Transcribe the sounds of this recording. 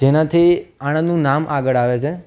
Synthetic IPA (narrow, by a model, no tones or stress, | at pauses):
d͡ʒenãt̪ʰiaɽ̃ə̃nũnamʔaɡəɭaʋet͡ʃʰe